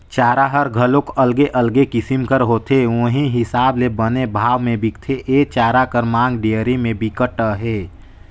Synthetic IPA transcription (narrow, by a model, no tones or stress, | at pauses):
t͡ʃaːɾaɦəɾɡʱəlõkəlɡeʔəlɡekɪsimkəɾɦoːt̪eʋõɦiɦɪsaːblebənebʱaːʋmẽbʱikt̪ʰeʔeːt͡ʃaːɾakəɾmãːŋɡɖeəɾimẽbikəʈːəɦeː